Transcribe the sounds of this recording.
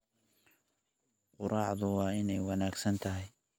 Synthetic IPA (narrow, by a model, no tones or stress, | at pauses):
qʊɾɑːʕðʊwɑːɪnɛjwɑnaːɡsɐnt̪ʰɐɦɛj